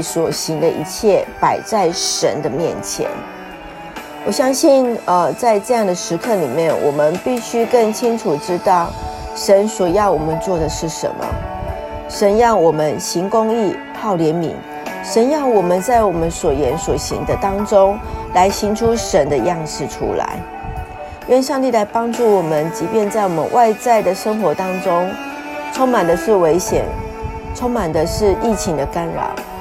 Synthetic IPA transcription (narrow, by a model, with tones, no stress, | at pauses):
swɔ˨˩ɕi˧˥ŋd̪ə˧ʔi˧˥t͡ɕʰjɛ˥˩pa˨˩ɪt͡sa˥˩ɪʂə̰˧˥nd̪ə˧mjɛ̰˥˩nt͡ɕʰjɛ̰˧˥n | wɔ˨˩ɕjɑ˥ŋɕi˥˧nə˧t͡sa˥˧ɪʈ͡ʂɤ˥˧jɑ˥˩ŋd̪ə˩ʂɻ̩˧˥kʰɤ˥˩lḭ˨˩mjɛ˥˩nwɔ̰˨˩mə˦npi˥˩ɕy˥kə˥˩nt͡ɕʰi˥ŋʈ͡ʂʰu˨˩ʈ͡ʂɻ̩˥t̪ɑ˥˩ʊ | ʂə˧˥nswɔ˨˩jɑ˥˩ʊwɔ˨˩mə˦nt͡swɔ˥˩d̪ə˩ʂɻ̩˥˩ʂə̰˧˦nmə̰˦ | ʂə˧˥nɻɑ˥˩ŋwɔ˨˩mə˦nɕi˧˥ŋkʊ˥ŋi˥˩pʰɑ˥˩ʊljɛ˧˥nmḭ˧˥ŋ | ʂə˧˥njɑ˥˩ŋwɔ˨˩mə˦nt͡sa˥˩ɪwɔ˨˩mə˦nswɔ˨˩jɛ˧˥nswɔ˨˩ɕḭ˧˥ŋd̪ə˧t̪ɑ˥ŋʈ͡ʂʊ˥ŋla˧˥ɪɕi˧˥nʈ͡ʂʰu˥ʂə˧˦nd̪ə˧jɑ˥˧ŋʂɻ̩˥˩ʈ͡ʂʰṵ˥la̰˧˦ɪ | ɥɛ˥˧nʂɑ˥˧ŋt̪̬i˥˩la˧˥ɪpɑ˥ŋʈ͡ʂu˥˩wɔ˨˩mə˦nt͡ɕi˧˥pjɛ˥˧nt͡sa˥˩ɪwɔ˨˩mə̰˦nwʔa˥˧ɪt͡sa˥˩ɪd̪ə˩ʂə˥ŋxwɔ˧˥t̪ɑ˥ŋʈ͡ʂʊ˥ŋ | ʈ͡ʂʰo˥ŋma˨˩nd̪ə˦ʂɻ̩˥˩we˧˥ɪɕjɛ̰˨˩n | ʈ͡ʂʰo˥ŋma˨˩nd̪ə˦ʂɻ̩˥˧i˥˩t͡ɕʰi˧˥ŋd̪ə˧ka˥nɻɑ̰˨˩˦ʊ